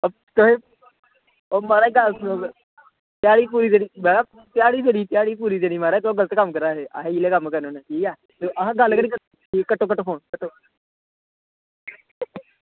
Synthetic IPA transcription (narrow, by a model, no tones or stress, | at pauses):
t̪oɦe | oːmaːɾaɡalo | t̪jaːɽiːpuːɾiːt̪eɽiːmaɾa | t̪jaːɽiːt̪eɽiːt̪ɪjaːɽiːpuːɾiːd͡ʒ̪eɽ̃iːmaːɾat̪oɡələt̪ːkəmkəɾaːɦeːʔa̰ɦeileːkəmkəɾnoːneːʈʰiːkaː | t̪oʔəɦãːɡəlkəɽiːkə | iːkəʈːoːkəʈːoːpʰoːnkəʈːoː